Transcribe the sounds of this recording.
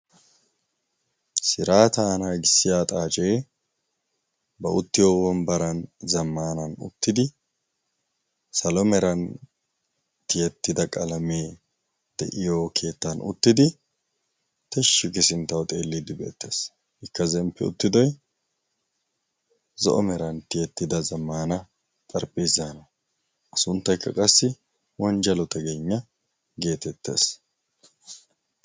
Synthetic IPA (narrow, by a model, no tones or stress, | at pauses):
sɪɾaːt̪ɐːnaɡɪsːɪjaːt̪ʼaːt͡ʃʼeː | bɐʔʊt̪ːɪjoːwɔnbɐɾɐnzɐmːaːnɐnʊ̰t̪ːɪd̪ɪ | sɐlɔmɛɾɐn | t̪ɪjɛt̪ːɪd̪ɐkʼɐlɐmeː | d̪̥ɛ̰ʔɪjoːkʰe̞ːt̪ːɐnʊ̰t̪ːɪd̪ɪ | t̪ɛʃːɪɡɪsɪnt̪ːɐwt̪ʼeːlːɪd̪ɪbḛːt̪ːe̞ːs | ɪkːɐzɛmpːɛʊ̰t̪ːɪd̪ɔj | zɔ̰ʔɔmɛɾɐnt̪ɪjɛt̪ːɪd̪ɐzɐmːaːnɐ | t̪ʼɐɾpʼːiːzaːnɐ | ɐsʊnt̪ːɐjkʰːɐ̰kʼɐsːɪ | wɔnd͡ʒɐlɔt̪ɐɡeɲːɐ | ɡe̞ːt̪ɛt̪ːe̞̰ːs